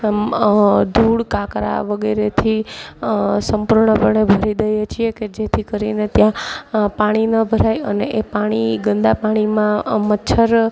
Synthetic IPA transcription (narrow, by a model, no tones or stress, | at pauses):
d̪ʱuɽkakɾa̰ʋəɡeɾet̪ʰi | səmpuɾɳəpəɳebʱəɾid̪əjet͡ʃʰieked͡ʒet̪ʰikəɾinet̪jãpaɽ̃inəbʱəɾajəneʔepaɽ̃iɡənd̪apaɽ̃imãmətːʃʰəɾ